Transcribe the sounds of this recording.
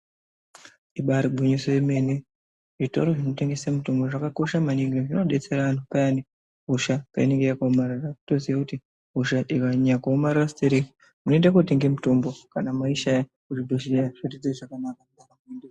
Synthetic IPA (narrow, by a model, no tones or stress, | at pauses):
iɓaɾiɡʱuɲisojeme̞ne | ʐito̞̰ɾo̞ʐinote̞ŋɡesemuto̞mbo̞ʐakako̞ʃamaniŋɡeʐinoɗe̞t͡se̞ɾaantʰupaani | ɦuʃapaine̞ŋɡe̞jakaomararato̞ziʋakuti | ɦuʃaʔikaɲakaomarirasi̥teɾeki | munoendakote̞ŋɡe̞mutombo̞kanamaiʃaja | kuʐidʱoʃiaʐitid͡zeʐakanaka | akamende